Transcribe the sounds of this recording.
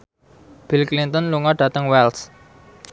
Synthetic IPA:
b̥ilklint̪ənluŋɔɖ̥ä̤t̪əŋwɛls

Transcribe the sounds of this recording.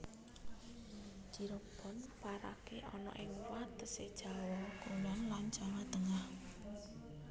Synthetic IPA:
d͡ʒ̥i̤ɾob̥ɔ̤npaɾa̰keʔɔnɔ̰ʔɪŋwat̪əsed̥ʒ̥a̤wɔkunanlant͡ʃaŋat̪əŋah

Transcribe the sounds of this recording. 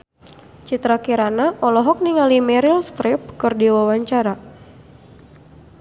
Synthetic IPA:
t͡ʃit̪ɾakiɾanaʔɔlɔɦɔk̚niŋalimɛɾilst̪ɾip̚kɨrdiwawaɲt͡ʃaɾa

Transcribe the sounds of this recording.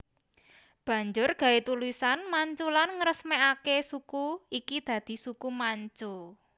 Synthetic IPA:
b̥ä̤ɲd͡ʒʊrɡ̥a̤et̪ulisanmaɲt͡ʃulanŋəɾəsmeakesukuikid̪̥ä̤d̪̥i̤sukumaɲt͡ʃu

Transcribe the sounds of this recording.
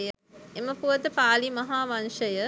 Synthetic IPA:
jə | eməpuʋɐt̪əpaːlimɐɦaːʋɐnʂəjə

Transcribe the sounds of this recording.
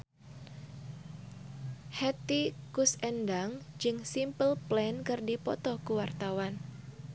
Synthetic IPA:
hɛt̪ikusɛndaŋd͡ʒɨŋsimpəlplɛnkɨrdipɔt̪ɔkuwart̪awan

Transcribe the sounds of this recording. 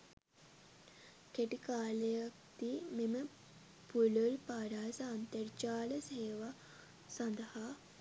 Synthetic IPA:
keʈikaːlejak̚t̪imemə | puləlpaːɖaːjsɐːnt̪ɐrt͡ʃaːləseːʋa | sɐnd̪əhaː

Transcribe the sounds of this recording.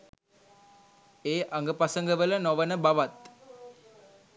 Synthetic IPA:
eːʔaŋɡəpasəŋɡəʋələnoʋənəbaʋat̪

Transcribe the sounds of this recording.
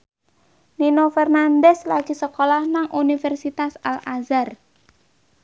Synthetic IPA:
ninofɛrnand̪ɛslaɡ̥i̤səkolahnaŋʔunifɛrsit̪asalazar

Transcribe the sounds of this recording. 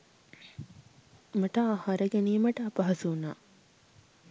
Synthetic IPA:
mɐʈɐahaɾəɡeniːməʈɐːpɐɦɐsuna̰ː

